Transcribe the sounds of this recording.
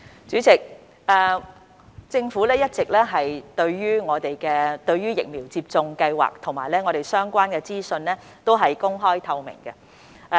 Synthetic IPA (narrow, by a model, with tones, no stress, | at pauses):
t͡ʃyː˨˥t͡sɪ˨˩k̚ | ɛː˨ | t͡sɪ˧ŋfuː˨˥lɛː˥jɐ˥t̚t͡sɪ˨k̚lɛː˥ɦɐ˨jt̪ɵ˧ɥɥyː˥ŋɔː˨˧t̪e˨jkɛː˧t̪ɵ˧ɥyː˥jɪ̰˨k̚miː˨˩wt͡siː˧p̚t͡sʊ˧ŋkɐ˧jwa̰ː˨k̚t̪ʰʊ˨˩ŋmaː˨˩jlɛː˥ŋɔː˨˧ɾe˨˩jsœː˥ŋkʷaː˥nkɛː˧t͡siː˥sɵ˧nlɛː˥ | t̪o˥wɦɐ˨jkʊ˥ŋɦɔː˥jt̪ʰɐ˧wmɪ̰˨˩ŋkɛ˧